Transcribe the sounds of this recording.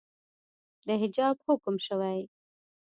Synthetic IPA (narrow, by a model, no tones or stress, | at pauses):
d̪əɦɪd͡ʒɑbhʊkʊmʃəwaj